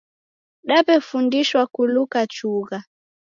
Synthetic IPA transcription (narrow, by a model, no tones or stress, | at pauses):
ɗapɛfundiʃwakulukat͡ʃuɣa